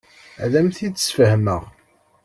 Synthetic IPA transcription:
læmθid̪ə̥sfəhməʁ

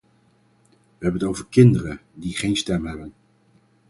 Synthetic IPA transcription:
ʋəɦɛbənətowvəɹkɪndərədiχejnstɛmɦɛbən

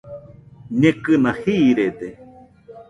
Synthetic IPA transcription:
ɲẽkɨnahiɾed̪e

